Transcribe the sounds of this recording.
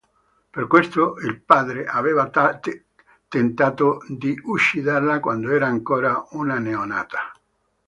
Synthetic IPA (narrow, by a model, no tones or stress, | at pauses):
perkwest̪oilpaːd̪ɾeʔavɛːva | t̪ent̪aːt̪od̪iʔuʃːid̪arlakwand̪oɛːɾaːŋkoːɾaunaneona̰ːt̪ʰḁ